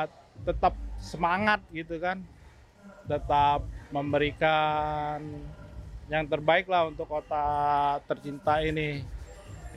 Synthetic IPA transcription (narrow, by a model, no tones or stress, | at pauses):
t̪ət̪ap̚səmaŋat̪̚ɡit̪ukan | t̪ət̪ap̚məmbəɾikan | jaŋt̪ərbaɪklahunt̪ʊkːot̪at̪ərt͡ʃint̪ainɪ